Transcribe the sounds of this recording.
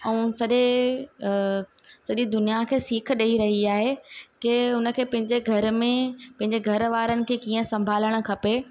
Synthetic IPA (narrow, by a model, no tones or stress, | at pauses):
ɛ̃ːsɐʄe | sɐʄid̪ʊnijakʰeːsiːkʰɗeiɾɐɦiaːɦekeʊnə̆kʰeːpɐ̃ɦɪ̃ɲd͡ʑeɡʱɐɾmẽpɐ̃ɦɪ̃ɲd͡ʑeɡʱɐɾʋaːɾənɪ̆kʰeːkiːə̃sɐ̃mbʱaːləɽ̃ʊ̆kʰɐpe